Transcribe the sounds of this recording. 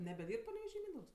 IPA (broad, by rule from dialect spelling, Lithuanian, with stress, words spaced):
nʲɛbʲɛˈdʲiːrp pɐnʲɛʋʲɛˈʒʲiː ˈmʲiːndɐʊks